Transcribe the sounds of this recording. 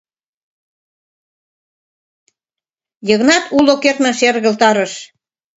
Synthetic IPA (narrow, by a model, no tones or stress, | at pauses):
jəɣnɑt̪ulokert̪məʃerɣə̆lt̪ɑɾəʃ